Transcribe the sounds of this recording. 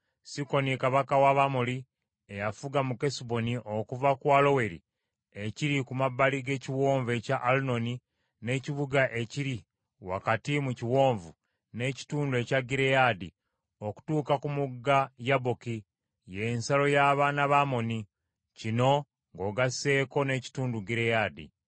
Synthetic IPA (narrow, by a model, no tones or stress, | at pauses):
siko̞nikaβakawaβamuli | ejafuɡamuke̞sibo̞niʔo̞kuvakwalo̞we̞ɾḭ | eciɾikumabːaliɡe̞ciwoːɱve̞caʔːluno̞ni | ne̞ːciβuɡaʔe̞ciɾi | wa̰katimuciwoːɱvu | ne̞ci̥tuːndue̞caɡiɾejadi | o̞ku̥tuːkakumuɡajaboki | je̞ːnsalo̞jaβaːnaβamo̞ni | cino̞ | ŋɡo̞ɡase̞ːko̞ne̞ːci̥tuːnduɡiɾejaːdḭ